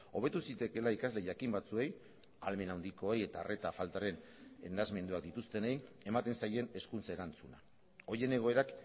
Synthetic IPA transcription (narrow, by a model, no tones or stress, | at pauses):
o̞β̞e̞t̪usit̪e̞ke̞laikazle̞ʝakimbat͡sue̞j | alme̞nawnd̪iko̞eje̞t̪are̞t̪afalt̪aɾe̞n | ḛnazme̞nd̪uak̚d̪it̪ust̪e̞nejn | e̞mat̪e̞nsaje̞ne̞skunt͡saeɾant͡suna | o̞je̞ne̞ɣ̞o̞e̞ɾak